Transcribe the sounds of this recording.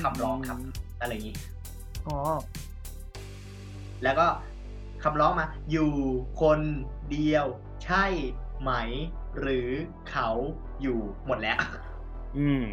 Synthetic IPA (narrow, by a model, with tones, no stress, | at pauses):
a˧˩pʰɾɔː˦˥ŋkʰa˦˥p̚na˥˧˩la˧˩ŋiː˦˥ | ʔɔː˨˦ | lɛː˦˥wkɔː˥˩ | kʰa˧˩mpɾɔː˦˥ŋmaː˦˥juː˨˩kʰo˧ndi˧əw | t͡ɕʰa˥˩jma˦˥j | ɾɯː˩˦ | kʰa˦˥w | juː˨˩mo˨˩t̪̚lɛː˦˥wʔ | ʔɯː˧˩m